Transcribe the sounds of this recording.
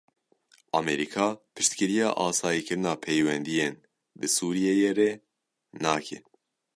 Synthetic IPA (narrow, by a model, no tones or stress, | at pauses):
ɑmɛɾikʰɑːpʰɨʃt̪kɨɾijɑ̰ːʔɑːsɑːjiːkʰɨɾɨnɑːpʰejwɛnd̪ijen | d̪ɨsuːɾijejerɛ | nɑːkʰɛ̰